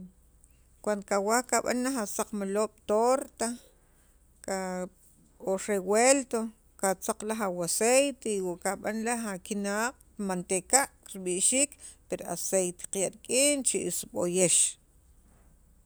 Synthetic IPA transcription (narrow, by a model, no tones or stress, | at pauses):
kwand̪okawahkaɓa̰nːaxasaq͡χmaloːɓ̥t̪oɾt̪a | ka | oʃɾewelt̪o | kat͡saq͡χlaxawasejt̪eiwaʔkaɓanlahakinaːq̚ | mant̪ekaʔ | ɾiɓiʔʃiːkpeɾa̰sejt̪e̥qjaʔɾikʼiːnt͡ʃiʔisɓojeʃ